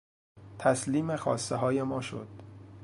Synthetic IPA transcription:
t̪ʰæsliːmexɒːst̪eɦɒːje̞mɒːʃo̰d̪̥

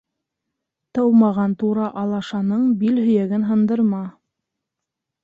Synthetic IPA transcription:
t̪ɤwmɑʁɑnt̪uɾɑʔɑlˠɑʃɑnɤɴbilhɵ̆jæɡɘnɦɤ̆nd̪ɤ̆ɾmɑ

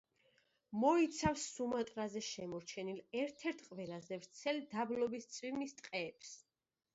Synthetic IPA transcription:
mɔit̪sʰafsːumat̪ʼɾazɛʃɛmɔɾt͡ʃʰɛnilɛɾt̪ʰɛɾt̪ʰqʼvɛlazɛvɾt̪sʰɛld̪ablɔbist̪sʼwimist̪ʼqʼɛːps

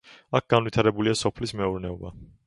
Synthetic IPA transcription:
ak̚ʰɡ̥anvit̪ʰaɾɛbuliasɔpʰlismɛuɾnɛɔba

